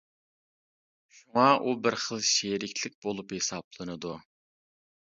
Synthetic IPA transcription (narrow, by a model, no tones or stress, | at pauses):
ʃuŋɑʔubɪɾχəlˠʃeɾɪkʲʰlɪk̚ʲbolˠuphesɑblˠɨnɨd̪u